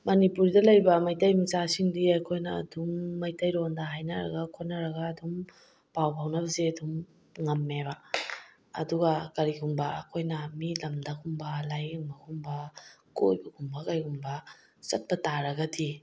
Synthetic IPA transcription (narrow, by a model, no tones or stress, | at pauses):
mɐnipuɾdɐlɐjbɐmɐjtajmit͡ʃasiŋdiɐjkʰojnɐ̰ːdumːɐjtajɾondɐɦajnɐɾɐ̰ɡɐkʰot̚nɐɾɐɡaːdum | pawbawnɐbɐzeɐdum | ŋɐmːeba̰ː | duɡakɐɾiɡumbɐːkʰojnɐmilɐmdɐkʰumbɐlajuŋbɐkʰumbɐko̰jbɐɡumbɐkajɡumbɐ | sɐt̚pɐtaɾɐɡɐdi